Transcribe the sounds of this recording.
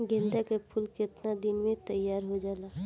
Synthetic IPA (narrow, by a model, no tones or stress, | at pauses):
ɡẽnd̪akepʰʊlkɪt̪nad̪ɪnmẽt̪əjːaːɾɦod͡ʒaːlaː